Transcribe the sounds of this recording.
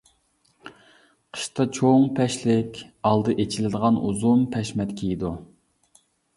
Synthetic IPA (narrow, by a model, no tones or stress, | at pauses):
qʰə̥ʃt̪ɑt͡ʃʰoŋpʰɛʃlɪkʲɑlˠd̪ɨʔet͡ʃʰilɪd̪əʁɑnʔuzumpʰɛʃmɛt̪kʲʰijid̪u